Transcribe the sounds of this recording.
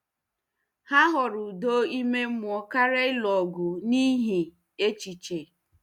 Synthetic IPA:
ha˦ɦʊ˨ɾʊ˨do˦i˦me˦mʊ˨ɔ˨ka˦ɾe˦ɪ˦lɔ˨ɡʊ˨ni˦ɦi˨ | e˦t͡ʃi˨t͡ʃe˨

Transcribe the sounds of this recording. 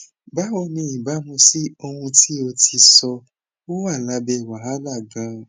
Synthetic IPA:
ba˨˦wɔ˧nĩ˧˦i˨ba˨˦mũ˧si˦o˧hũ˧ti˦o˧ti˧sɔ˧ | wo˦wa˦˨la˨˧˦bɛ˧˨wa˨a˦la˦˨ɡã˨˦

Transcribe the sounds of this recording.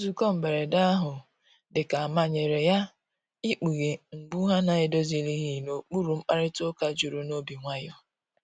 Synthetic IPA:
o˦zu˨kɔ˦m̩˨be˨ɾe˨da˦a˦ɦʊ˨ | dɪ˨ka˨a˨ma˨ɲe˨ɾe˨ja˦ | i˦k͡pi˨ɣe˨ŋ͡m̩˨ɡ͡bu˦ɦa˦na˨ɪ˨do˦zi˨li˦ɦi˦no˨k͡pu˦ɾu˨m̩˦k͡pa˦ɾɪ˦tʊ˦ka˦d͡ʒu˨ɾu˨no˦bi˨ŋʷa˦jɔ˦

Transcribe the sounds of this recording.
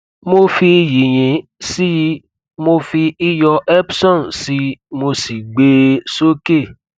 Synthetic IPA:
mo˧fi˧ji˨j̃ĩ˨˦si˦ | mo˧fi˧i˦jɔ˧ʔɛ˦bsɔ̃˦˨nsi˨˦mo˧si˨ɡ͡be˦so˦ke˦˨

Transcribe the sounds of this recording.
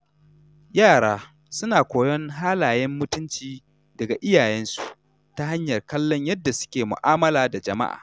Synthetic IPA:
jaː˦˨ɽaː˦ | sʊ˦naː˨kʷoː˨jɔ˦ŋɦaː˦laː˨jɛ˦mːʊ˦tʊ˦nt͡ʃiː˦ | dɐ˨ɡa˨ʔɪ˦jaː˨jɛ˦nsu̥˨ʔ | ta˦ɦa˦ɲjɐ˨rkɐ˦lːɔ˦ɲjɐ˦dːa˨sʊ̥˦kʲeː˨mʊ̰˨ʔaː˦mɐ˦laː˨da˨d͡ʒɐ˨ma̰˦ʔa̰ː˨

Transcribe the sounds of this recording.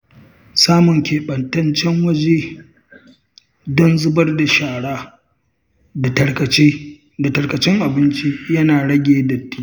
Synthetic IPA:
saː˦mʊ˨ŋkʲeː˨ɓɐ˨ntɐ˦nt͡ʃɛ˦ŋwɐ˦d͡ʒeː˦ | dɔ˦nzʊ˦bɐ˦rda˨ʃaː˨ɽaː˦ | da˨tɐ˨ɽkɐ˨t͡ʃe˦ | da˨tɐ˨ɽkɐ˨t͡ʃɪ˦ŋʔa˨bɪ˦nt͡ʃi˦jɐ˦naː˨ɽɐ˦ɡʲeː˨dɐ˨tːiː˦

